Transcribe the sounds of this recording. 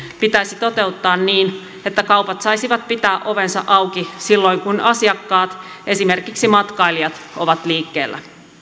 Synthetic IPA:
pit̪æisit̪o̞t̪e̞ut̪ːɑːnniːn | et̪ːækɑwpɑt̪sɑjsiʋɑt̪̚pit̪æːʔo̞ʋe̞nsɑ̰ʔɑwkisilːo̞jŋkunɑsiɑkːɑːt̪ | ʔe̞sime̞rkiksimɑt̪kɑiliɑt̪oʋɑt̪liːkːe̞ːlːʔæ̰

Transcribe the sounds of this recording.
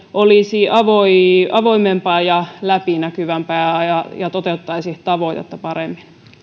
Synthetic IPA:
ʔoliˑsiːʔɑʋoiɑʋoimempɑːjɑlæpinækyʋæmpæːɑjɑjɑt̪ot̪eut̪ːɑisiht̪ɑʋoiɑo̰t̪ːɑpɑɾemːin

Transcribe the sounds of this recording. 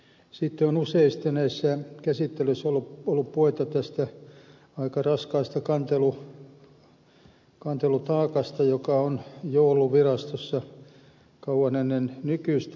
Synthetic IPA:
siˑt̪ːeonuseist̪enæisːækæsit̪ːelysːolːuolːuppoit̪ɑt̪æst̪æ | ɑikɑrɑskɑːst̪ɑkɑnt̪elu | kɑnt̪elut̪ɑːkɑst̪ɑjokɑonjouluʋirɑst̪osːɑ | kɑuɑnenːennykyst̪

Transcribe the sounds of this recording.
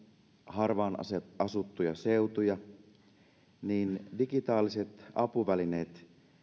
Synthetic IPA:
hɑrʋɑːnɑseɑsut̪ːujɑseut̪ujɑ | niːndiɡit̪ɑːliset̪ɑpuʋælineːt̪

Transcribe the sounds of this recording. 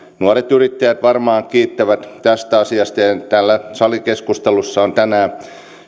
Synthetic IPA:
nuoret̪yrit̪ːæjæt̪ʋɑrmɑːŋkiːt̪ːæʋæt̪t̪æst̪æɑsiɑst̪ɑjɑt̪ælːæsɑlikeskust̪elusːɑont̪ænæː

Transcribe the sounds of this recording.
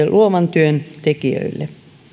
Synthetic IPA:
elʔuoʋɑnt̪yønt̪ekiø̰ilːḛ

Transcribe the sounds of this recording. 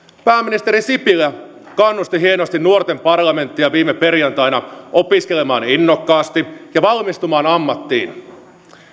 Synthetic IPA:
pæːmːinist̪e̞ɾisipilæ | kɑnːust̪iɦie̞nost̪innuort̪e̞mpɑrlɑme̞nt̪ːiɑʋiːmepe̞rjɑnt̪ɑjnɑʔo̞piske̞le̞mɑ̰ːninːokːɑːst̪ijɑʋɑlmist̪umɑːnɑmːɑt̪ːḭːn

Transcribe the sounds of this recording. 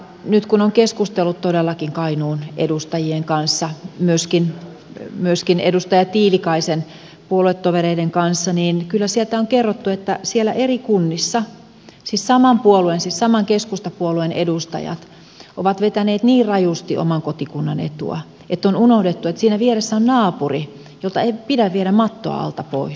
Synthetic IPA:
nyt̪kunoŋkeskust̪elːut̪t̪odelːɑkiŋkɑinuːnʔḛdust̪ɑjieŋkɑnsːɑmyøskin | myøskinḛdust̪ɑjɑtt̪iːlikɑisen | puoluet̪ːoʋereideŋkɑnsːɑniːnkylːæsielt̪æoŋkerːot̪ːuet̪ːæsielːæʔerikunːisːɑ | sissɑmɑmpuoluensissɑmɑŋkeskust̪ɑpuoluenḛdust̪ɑ̰jɑ̰t̪ | ʔoʋɑt̪ʋet̪æneːt̪niːrrɑjust̪iʔo̰mɑŋkot̪ikunːɑ̰nḛt̪ṵɑ̰ | ʔet̪ːonunohdet̪ːuet̪siːnæʋieresːæonnɑːpuri | jolt̪ɑeipidæʋʋieɾæmmɑt̪ːo̰ɑ̰ɑ̰lt̪ɑpo̰i

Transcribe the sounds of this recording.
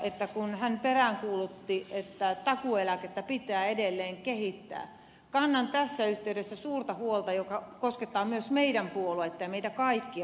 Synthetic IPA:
et̪ːækunhænperæŋkuːlut̪ːiʔet̪ːæt̪ɑkuelæket̪ːæpit̪æːedelːeːŋkehit̪ːæ̰ː | kɑnːɑnt̪æsːæyht̪eydesːæsuːrt̪ɑhuolt̪ɑjokɑkosket̪ːɑːmyøsmeidæmpuoluɑet̪ːeimeit̪ækɑikːi

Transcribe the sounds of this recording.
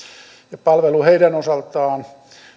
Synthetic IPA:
jɑpɑlʋeluheidænosɑlt̪ɑːn

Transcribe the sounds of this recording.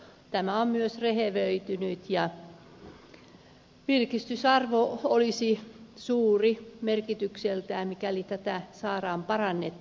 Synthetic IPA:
t̪æmæommyøsreheʋøit̪ynyt̪jɑ | ʋirkist̪ysɑrʋoolisisuːrimerkit̪ykselt̪æːmikælit̪æt̪æsɑːrɑːmpɑrɑnːet̪ː

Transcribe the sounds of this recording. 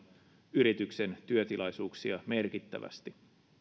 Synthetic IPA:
yɾit̪ykse̞nt̪yøt̪ilɑjsuːksiɑme̞rkit̪ːæ̰ʋæ̰st̪i

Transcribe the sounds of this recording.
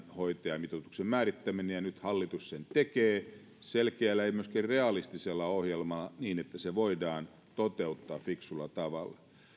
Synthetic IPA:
hoit̪eɑmit̪ot̪uksemmæːrit̪ːæminejɑnyt̪hɑlːit̪ussent̪ekeː | selkeælːæeimyøskærreɑlist̪iselːɑohjelmɑlːɑniːnet̪ːæseʋoidɑːn | t̪ot̪eut̪ːɑːfiksulːɑt̪ɑʋɑlːɑ

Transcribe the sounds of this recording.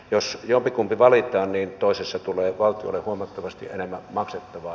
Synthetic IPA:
josjompikumpiʋɑlit̪ˑɑːnniːnt̪oˑesesːɑt̪ulˑeːʋɑlt̪ˑio̰lːˑehuomɑt̪ːɑʋɑst̪ḭʔʔenemːæmɑkset̪ːɑʋɑː

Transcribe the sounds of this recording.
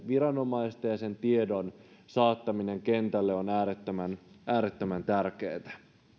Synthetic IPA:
ʋiɾɑno̞mɑist̪ɑjɑse̞nt̪iedonsɑːt̪ːɑmine̞ŋke̞nt̪ælːeonæːɾet̪ːømænʔæːɾet̪ːømænt̪ærk̟eːt̪æ̥

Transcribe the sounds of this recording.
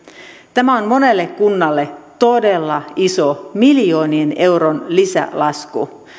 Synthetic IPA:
t̪æmæo̞nmo̞ne̞lːe̞kkunːɑlːe̞t̪o̞de̞lːɑisomiljo̞ːniene̞wɾo̞nlisæ̰lɑskṵ

